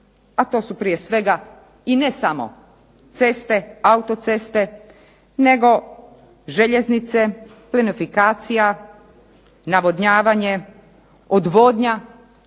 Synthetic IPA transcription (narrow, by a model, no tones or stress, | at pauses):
at̪o̞ːsupɾije̞sʋe̞ɡa | inesamo̰ | t̪se̞st̪e̞aut̪ot̪se̞st̪e̞ | ne̞ɡo̞ | ʒe̞ʎe̞znit̪se | plenifikaːt̪sija | naʋo̞d̪ɲaːʋaɲe̞ | od̪ʋoːd̪ɲa